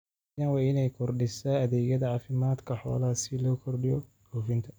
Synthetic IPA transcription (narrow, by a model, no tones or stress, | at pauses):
janwɑːɪnɛjkʰɔrɖɪsɐɐðɛːɣɐðɐʕɑːfɪmaːd̪kʰɐħɔ̰ːlaːsɪlɔːkʰɔrɖɪjɔ̰ɡʰuːfɪnt̪ʰɐ